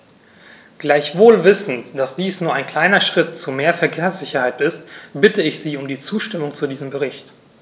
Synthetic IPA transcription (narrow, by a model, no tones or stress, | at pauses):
ɡ̥laɪçv̥oːlvɪsn̩td̥asd̥iːsnuːɐaɪnkl̥aɪnɐʃʁ̥ɪtt͡sumeːɐfɛɐkʰeːɐsz̥ɪçɐhaɪtɪstb̥ɪtəɪçz̥iːʊmdiːt͡suːʃtɪmʊŋt͡sudiːzəmbəʁɪçt